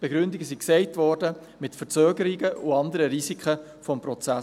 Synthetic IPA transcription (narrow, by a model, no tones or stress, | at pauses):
b̥ɛɡ̥ɾʏndɪɡəsiksɛɪtvɔɾdə | mɪtfət͡søːɡəɾiɡəʊɑndəɾəɾizikχə | fɔmpɾɔt͡sæ